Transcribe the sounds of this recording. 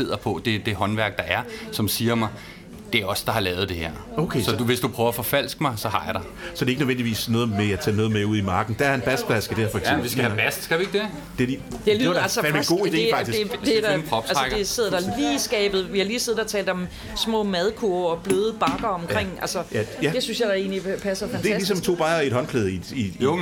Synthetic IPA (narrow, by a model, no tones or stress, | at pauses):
e̝ð̰ˠɐpʰɒ̽d̥e̝d̥e̝ɦɒ̽nʋæɐɡ̥̚d̥ɑ̈ʔæɐsɒ̽msiːɐmɑ̈ɪ | d̥e̝æɐɒ̽sd̥ɑ̈hɑ̈lɛːʊð̞̩ˠd̥e̝heɐ̰okʰesɒ̽d̥uʋe̝sd̥upʰʁœːʊɐæfɒ̽fæl̰sɡ̥əmɑ̈ɪsɒ̽hɑ̈jɑ̈ɾ̥ɑ̈ | sɒd̥e̝eɡənøʋen̰d̥iʋḭːsnɔ̽ːð̩ˠmeæt͡sʰɛnɔ̽ːð̩ˠmeuð̰ˠimɑ̈ːɡ̥n̩d̥æɐenb̥æsd̥b̥læsɡ̥əd̥eɐ̰fɒ̥sʋisɡæhæbæsd̥sɡ̥æʋieɡ̥d̥e | d̥eid̥elælsə̥eɡo̝̰ːid̥e̝̰ːɑ̈ɡ̥isd̥edmpʰʁɒb̥sælɑəɡ̥de̝se̝ðˠd̥ɑliːsɡ̥ɛ̰ːb̥ð̩ˠʋihɑliːse̝ðˠd̥ɑt͡sʰɛ̰ːld̥ɒ̽m | smɔ̰̽ːmæð̞ˠkʰuɐɒ̽b̥løːð̞ˠəb̥ɑ̈ɡ̥ɐɒ̽mkʰʁeŋ̰ælsəjæjæd̥e̝synsjɑ̈ɪæɐe̝ːnlipʰæsɐfænd̥ʰælisɒ̽mt͡sʰo̝̰ːb̥ɑ̈e̝d̥hɒ̽nkʰleːð̞ˠi̥iɔ